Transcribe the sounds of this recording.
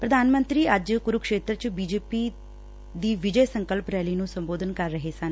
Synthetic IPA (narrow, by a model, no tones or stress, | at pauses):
pɾəd̪aːnmə̃nt̪ɾiːəd͡ʒkʊɾʊkʃeːt̪ɾət͡ʃbiːd͡ʒeːpiː | d̪iːʋɪd͡ʒəjsə̃ŋkəlpɾɛːliːnũːsə̃mboːd̪ʱənkəɾːəɦeːsən